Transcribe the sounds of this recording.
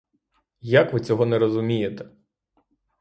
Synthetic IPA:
jakʋɪt͡sʲɔɦɔnɛɾɔzʊmʲijet̪ɛ̥

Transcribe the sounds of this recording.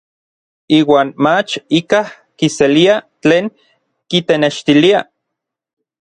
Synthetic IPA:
iːwaːnmat͡ʃikah | kiseliat͡ɬeːŋ | kit̪eneʃt̪ilia

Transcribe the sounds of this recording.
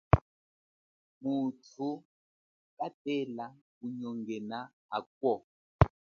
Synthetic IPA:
mutʰu | katɛla | uɲɔŋɡɛna | a̰k̚wɔ

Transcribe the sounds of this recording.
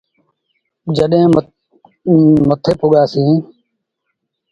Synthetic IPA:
d͡ʒəɗɦẽː | mət̪ʰeːpʊɠaːsĩː

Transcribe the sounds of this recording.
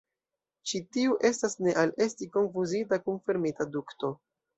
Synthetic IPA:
t͡ʃitiuʔe̞stasne̞ʔale̞stiko̞nfuzitakunfiɾmitadukto̞

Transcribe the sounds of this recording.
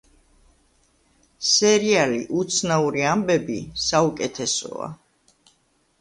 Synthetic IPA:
sɛɾialiʔut̪sʰnauɾiambɛbisaukʼɛt̪ʰɛsɔ̰a̰

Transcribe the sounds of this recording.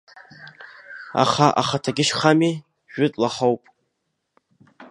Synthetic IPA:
a̰χaʔa̰χatʰaɡʲɪʃχami | ʒᶣʊtʼlaħowpʼ

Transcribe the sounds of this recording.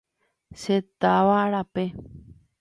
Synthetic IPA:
ʃet̪aʋaːɾape

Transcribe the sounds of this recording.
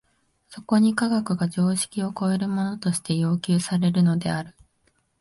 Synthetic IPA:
so̞ko̞ɲ̟ikaɡakɯ̟ɡaʑo̞ːɕi̥kʲio̞ko̞e̞ɾɯ̟mo̞no̞t̪o̞ɕi̥t̪e̞jo̞ːkʲɨːsaɾe̞ɾɯ̟no̞d̪e̞̰aɾɯ̟

